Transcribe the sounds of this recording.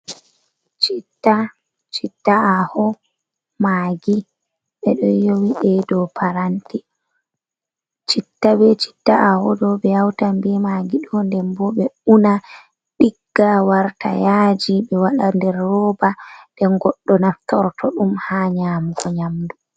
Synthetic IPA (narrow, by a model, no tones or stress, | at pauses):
t͡ʃitːa | t͡ʃitːaahɔ | maːɡi | ɓɛɗɔjowiɗɛdɔpʰaɾanti | t͡ʃitːabɛt͡ʃi̥tːaahɔdɔɓɛjawtambimaɡiɗɔndɛmbɔɓɛuna | ɗiɡːawaɾta̰jad͡ʒiɓɛwaɗandɛɾːɔːbadɛŋɡɔɗːɔnatɔɾtʰɔɗumhaːɲaːmuɡɔɲamdu